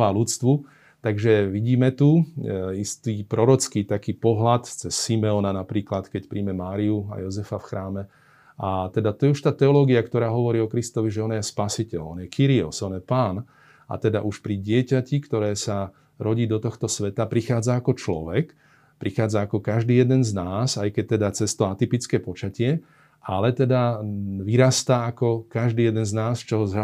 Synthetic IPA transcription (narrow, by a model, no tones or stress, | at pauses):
aːlut͡st̪ʋu | t̪aɡʒɛʋiɟiːmɛt̪uist̪iːpɾɔɾɔt͡skiːt̪akiːpɔɦlat̪t͡sɛsːimɛɔnanapɾiːklat̪kɛcpɾiːmɛmaːɾiua̰jɔzɛfafxɾaːmɛ | at̪ɛd̪at̪ɔjɛuʃt̪aːt̪ɛɔlɔːɡiakt̪ɔɾaːɦɔʋɔɾiːɔkɾist̪ɔʋiʒɛɔnjɛspasicɛʎɔnjɛkiɾiɔ̰sɔnjɛpaːn | a̰t̪ɛd̪aʔuʃpɾiɟɪɛcacikt̪ɔɾɛːsa | ɾɔɟiːd̪ɔt̪ɔxt̪ɔsʋɛt̪apɾixaːd͡zaːkɔt͡ʃlɔ̰ʋɛk | pɾixaːd͡zaːkɔkaʒd̪iːjɛd̪ɛnznaːsajkɛc̚t̪ɛd̪at͡sɛst̪ɔat̪ipit͡skɛːpɔt͡ʃacɪɛ | ʔalɛt̪ɛd̪aʋiɾast̪aakɔkaʒd̪iːjɛd̪ɛnznaːst͡ʃɔɦɔz